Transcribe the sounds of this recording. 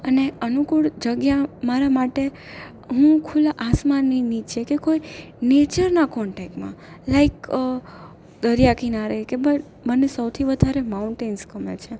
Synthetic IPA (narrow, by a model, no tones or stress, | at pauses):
əneənukuɭd͡ʒəɡjamaɾamaʈe | ɦũkʰulaʔasmanːinit͡ʃʰekekoi | net͡ʃəɾnakɔɳʈek̚ʈmã̰ | laik | d̪əɾjakinaɾekeba | bənːesəwt̪ʰiʋəd̪ʱaɾemauɳʈenskəmḛt͡ʃʰe